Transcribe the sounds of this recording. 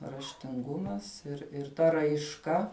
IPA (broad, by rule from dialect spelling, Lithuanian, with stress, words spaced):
rɐʃʲtʲɪŋˈɡʊmɐs ɪr ɪr ˈtɐ rɐɪʃˈkɐ